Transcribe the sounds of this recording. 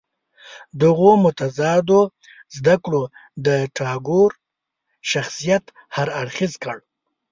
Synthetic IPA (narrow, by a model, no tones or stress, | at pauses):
d̪əɣomʊt̪azɑd̪o | zd̪akɽod̪əʈɑɡoɾ | ʃaxsijat̪ | haɾaɽxizkəɽ